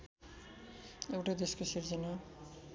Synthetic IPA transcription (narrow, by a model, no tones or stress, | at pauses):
ewʈad̪eskosiɾd͡zʌna